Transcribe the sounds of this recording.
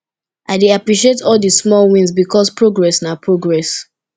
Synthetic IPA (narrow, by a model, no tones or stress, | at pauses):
aɪdeapɹiʃietʰɔldəsmɔlwĩnzbikɔspɹoɡɹɛsnapɹoɡɹɛs